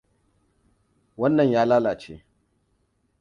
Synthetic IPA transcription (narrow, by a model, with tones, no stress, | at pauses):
wɐ˦nːɐ˨ɲjaː˦laː˦laː˨t͡ʃḛː˦